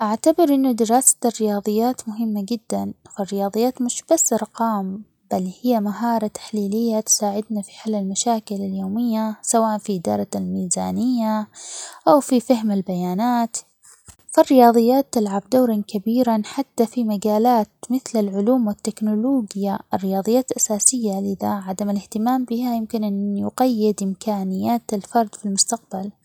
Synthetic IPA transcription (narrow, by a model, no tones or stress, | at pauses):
ʔaʕt̪abɪɾʔɪnːʊd̪ɪɾˤɑːsḁt̪rːɪjɑːðˤɨjːaːt̪mʊɦɪmːad͡ʒɪd̪ːanfirːɪjɑːðˤɨjːaːt̪mʊʃb̥asːʔɑɾˤqɑːm | b̥alhɪjːamaɦɑːɾˤɑt̪ḁħliːlɪjːat̪saːʕɪd̪nafi̥ħɪlːɪlmaʃaːkɪlaljoːmɪjːasawaːʔanfiʔɪd̪ɑ̰ːɾˤɑlmiːza̰ːnɪjːaʔawfifaɦmalbajaːnaːt̪ | firːɪjɑːðˤɨjːaːt̪ːɪlʕabd̪awɾˤɑnkabiːɾanħat̪ːafimaɡaːlaːt̪mɪθlalʕʊluːmwɪt̪ːɪknʊloːɡjaʔɪrːɪjɑːðˤɨjːaːt̪ʔasaːsɪjːalɪða̰ʕad̪amɪlɪht̪ɪmaːmbɪhajɪmkɪnʔanjʊɡajːɪd̪ʔɪmkaːnɪjːaːt̪alfɑɾˤd̪ˤfilmʊst̪aq̚bal